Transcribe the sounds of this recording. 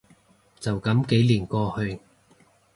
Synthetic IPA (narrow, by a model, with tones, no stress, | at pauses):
t͡sɐ˨wkɐ˨˥mke˨˥jliː˨˩nkɔː˧hɵ˧ɥ